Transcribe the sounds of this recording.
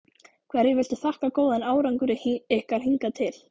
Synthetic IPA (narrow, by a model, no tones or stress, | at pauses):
kʰvɛɾjɛvɪl̥t̪ɪθahkakoːwðanaːwɾaŋkʏɾɪɛhkaɾ̥hiŋkat̪ʰɪl̥